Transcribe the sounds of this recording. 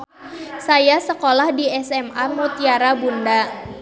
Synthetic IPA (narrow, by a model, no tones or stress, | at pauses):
sajasəkolahdiɛsɛmamut̪iaɾabunda